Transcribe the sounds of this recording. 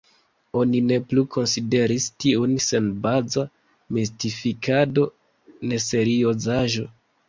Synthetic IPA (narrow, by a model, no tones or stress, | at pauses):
o̞nine̞plukʰo̞nside̞ɾistiunse̞nbaza | mistifikado̞ | ne̞se̞ɾio̞zaʒo̞